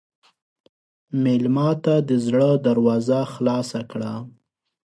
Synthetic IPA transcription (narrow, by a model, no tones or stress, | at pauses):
melmɑt̪ad̪əzɽəd̪aɾwɑzaxlɑsakɽa